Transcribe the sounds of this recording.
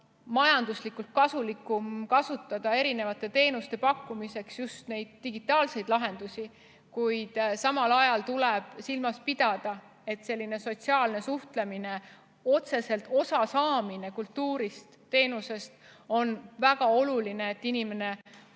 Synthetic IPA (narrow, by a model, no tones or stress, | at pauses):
mɑjɑnd̪̥uslikːˑult̪̚kɑsulikːˑumkɑsut̪ˑːɑd̪̥ɑe̞ɾine̞vɑt̪ːˑe̞t̪e̞ːnust̪e̞pɑkːˑumise̞ksjust̪ne̞jd̪̥̚ːiɡit̪ːˑɑːlse̞jd̪lɑɦe̞nd̪̥usʲi | kujd̪̥sɑmɑlɑjɑlt̪uleb̥silmɑspid̪̥ɑd̪̥ɑ | e̞t̪se̞lʲːine̞so̞t̪siɑːlne̞suht̪le̞mine | o̞t̪se̞se̞lt̪ːˑo̞sɑsɑːminekult̪ːuːɾist̪ːe̞ːnuse̞st̪o̞nvæɡ̥ɑo̞lulineːt̪ːinime̞ne̞